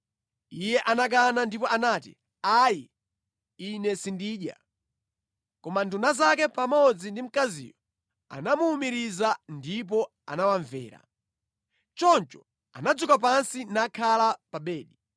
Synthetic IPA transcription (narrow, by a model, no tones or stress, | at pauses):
ijɛʔanak̬anandipɔanaːtḭ | aji | inɛsindiːɗja̰ | kɔmandunazakɛpamɔd͡zindim̩kazḭːjɔ | a̰namuːmiɾizandip̬ɔ | a̰nawaɱvɛ̰ːɾa̰ | t͡ʃɔnt͡ʃɔ | a̰nad͡zukap̬ansinakʰalapaɓɛːɗi